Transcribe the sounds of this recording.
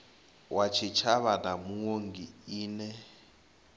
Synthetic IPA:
wat͡ʃʰit͡ʃʰaβanamuŋoŋɡiiːnɛ

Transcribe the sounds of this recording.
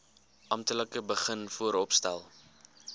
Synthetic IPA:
ʔɐmtələkəbəχənfuəɾɔpstæ̰lˠ

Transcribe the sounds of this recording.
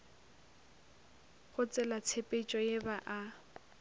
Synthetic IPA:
χʊt͡sʼɛlat͡sʰepʼet͡ʃʼɔjebaʔa

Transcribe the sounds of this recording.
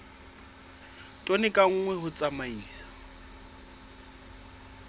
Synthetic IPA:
tʼonɪkʼaŋ̩ŋwɛɦʊt͡sʼamaiːsḁ

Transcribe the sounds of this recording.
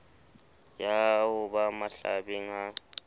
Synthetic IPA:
jawʊbamaɬa̰biŋa

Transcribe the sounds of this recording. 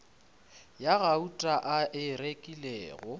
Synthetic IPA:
jaɣautʼaʔaʔɪrekʼilɛːɣɔ

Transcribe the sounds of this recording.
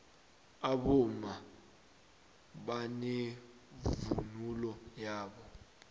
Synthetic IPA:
aɓɔma | ɓane | vṵnulɔjaːɓɔ

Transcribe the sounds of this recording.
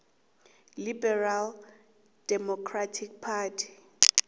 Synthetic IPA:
libɛral | d̥ɛmɔkʰratʰik̚pʰaːtʰi̥

